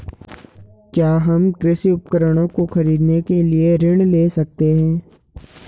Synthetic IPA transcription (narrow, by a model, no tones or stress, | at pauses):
kjaːɦɐmkɾɪsiʊp̚kəɾəɽ̃õkoxɐɾiːd̪nekelieɾɪɳ̃leːsɐk̚t̪eɦɛ̃ː